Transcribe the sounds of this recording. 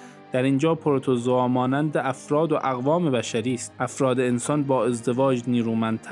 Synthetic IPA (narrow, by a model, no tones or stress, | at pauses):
d̪̥æɾind͡ʒɒːpʰoɾot̪ʰozoɒːmɒːnænd̪eʔæfɾɒːd̪oʔæɣvɒːme̞bæʃæɾiːst̪̚ʔæfɾɒːd̪eensɒnbɒːe̞zd̪e̞vɒːd͡ʒniːɾuːmænd̪̚t̪ʰ